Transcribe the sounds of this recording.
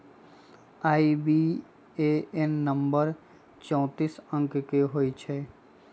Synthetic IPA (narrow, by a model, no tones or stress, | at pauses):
aːibi | eɛnːə̃mbəɾ | t͡ʃɔ̃ːt̪iːsə̃ŋkkeɦoːit͡ʃʰɛː